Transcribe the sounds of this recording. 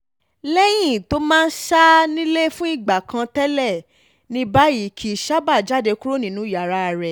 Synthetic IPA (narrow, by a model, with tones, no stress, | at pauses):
lɛ˦j̃ĩ˦˨to˦mãː˦˧n̩˦ʃa˦nĩ˦le˦fũ˦i˦˨ɡ͡ba˨kʰã˧tɛ˦lɛ˦˨ | nĩ˧˦ba˦ji˦˨kʰi˨ʃa˦ba˦˨d͡ʒa˦˨de˧ku˦ɾo˦nĩ˨˦nũ˨˦ja˨ɾa˦˧ɾɛ˨